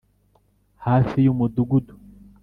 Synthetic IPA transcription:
haːfijumod̪uɡud̪u̥

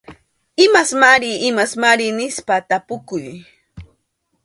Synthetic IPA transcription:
ɪmasmaɾɪɪmasmaɾɪnɪspat̪apʊkʊj

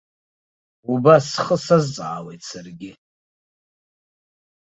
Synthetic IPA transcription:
ubasχəsazt͡sʼʕawejtʰsarɡʲɪ

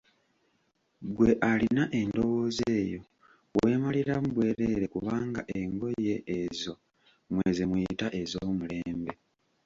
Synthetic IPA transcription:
ɡwe̞ʔalinaʔe̞ndo̞woːzeːjo̞ | weːmaliɾamuβwe̞ːɾe̞ɾe̞kuβaːŋɡa̰ʔe̞ŋɡo̞je̞ezo̞ | mwezemwuitaʔe̞zoːmule̞ːmbe̞

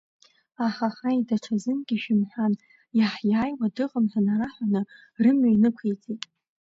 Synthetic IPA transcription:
aχaχajdaʈ͡ʂʰazɨnɡʲiʃᶣɪmħʷᶣan | jaħjaːjwadɨqʼəmħʷanaɾaħʷᶣanɨ | rɨmɥajnɨkʷʰejt͡sʼitʼ

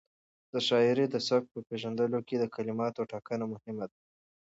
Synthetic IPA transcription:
d̪̥əʃɑɪɾed̪əsak̚pəpeʒand̪əloked̪əkalɪmɑt̪oʈɑkənamʊhɪmad̪a

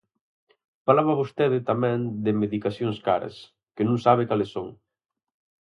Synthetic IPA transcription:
falaβaβost̪eðɪt̪amɛ̃ŋd̪ɪmeðikasjoŋskaɾɐ̰s | kɪnũŋsaβɪkalɪsːoŋ

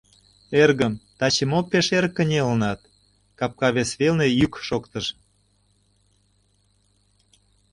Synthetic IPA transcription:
erɣəmt̪ɑt͡ɕəmoppːeʃeɾəkːənʲelənɑt̪̚ | kɑp̚kɑβesβelnejykʃokt̪əʃ

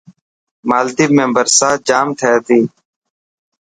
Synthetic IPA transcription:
maːld̪iːmẽːbəɾsaːd͡ʒaːmt̪ʰɛːt̪iː

